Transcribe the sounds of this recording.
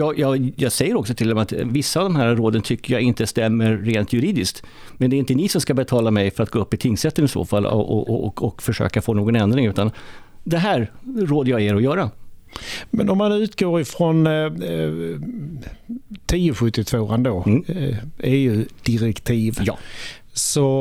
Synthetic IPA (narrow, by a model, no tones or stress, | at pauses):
jɑːjɑːjɑːsɛjːəɾɔksɔt̪ʰɪld̪ɛmɛat̪vɪsːaːvd̪ɔmɦæːɾɾoːd̪ənt̪ʰʏkːəjɑɪnt̪əst̪ɛmːəɾːeːnt̪ʰjɵɾiːd̪ɪskt̪ | mɛnd̪ɛɾɪnt̪ənɪsɔmskabɛt̪ʰɑːlamɛjfœɾat̪̚ɡoːɵpːɪt̪ʰɪŋːsɛt̪ːənɪso̰ːfal̰ːɔ̰ʔɔ̰ɔkfœʂø̰ːkafoːnoːɡɔnɛnd̪ɾɪŋʉ̟ːt̪and̪ɛɦæːɾɾoːd̪əjɑeːɾɔjœːɾa | mɛnɔmanʉ̟ːt̪ɡoːɾɪfɾɔn | t̪ʰiːʊɧɵt̪ːɪt̪ʰvoːand̪o | ɛjʉd̪̥ɪɾɛkt̪ʰiːvjɑ̰ː | sɔ